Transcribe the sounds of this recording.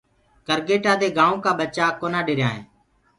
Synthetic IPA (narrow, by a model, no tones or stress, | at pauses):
kəɾɡeːʈaːd̪eːɡaːõːkaːɓət͡ʃaːkoːnãːɖeːɾɪjãːɦḛ̃ː